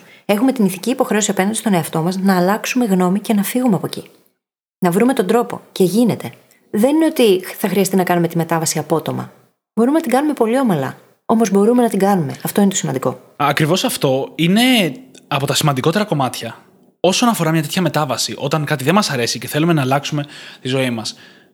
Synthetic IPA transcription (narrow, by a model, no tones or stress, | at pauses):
e̞xume̞t̪iniθiciːpo̞xɾe̞osiɐpɐnd̪ist̪o̞neɐft̪o̞mɐsnɐːlɐksume̞ɣno̞mice̞nɐfiɣumeɐpo̞ci | nɐvɾume̞t̪o̞nd̪ɾo̞po̞̰ce̞ʝine̞t̪e̞ | ðe̞nine̞o̞t̪iθɐxɾiɐst̪inɐkɐnume̞t̪ime̞t̪ɐvɐsiɐpo̞t̪o̞mɐ̰ | bo̞ɾumenɐt̪iŋɡɐnume̞po̞lio̞mɐlɐ̰ | o̞mo̞zbo̞ɾume̞nɐt̪iŋɡɐnume̞ɐft̪oinet̪osimɐnd̪iko̞̰ | ɐkɾivo̞sɐft̪o̞ine̞ɐpo̞t̪ɐsimɐnd̪iko̞t̪e̞ɾɐko̞mɐt̪çɐ | o̞so̞nɐfo̞ɾɐmɲɐt̪e̞t̪çɐme̞t̪ɐvɐsiʔo̞t̪ɐŋkɐt̪iðemɐsɐɾe̞sice̞θe̞lume̞nɐːlɐksume̞t̪izo̞imɐs